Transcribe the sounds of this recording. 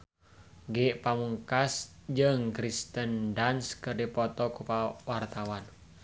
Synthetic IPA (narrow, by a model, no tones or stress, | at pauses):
ɡɪʔpamuŋkasd͡ʒəŋkɾist̪əndanskɨrdipɔt̪ɔkupawart̪awan